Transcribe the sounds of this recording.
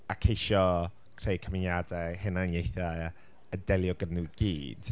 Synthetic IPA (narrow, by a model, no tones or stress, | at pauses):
akʰejʃɔ | kʰrejkʰəmɪnjadɛɦɛnanjejθa | ədɛlˠjɔɡənuɡ̥ḭːd̥